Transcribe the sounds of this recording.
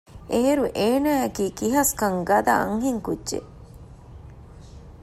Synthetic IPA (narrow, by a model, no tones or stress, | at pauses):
eeɾuʔeːnæːekiːkiɦɐskɐŋɡɐd̪ɐɐ̰ŋɦiŋkudʒḛ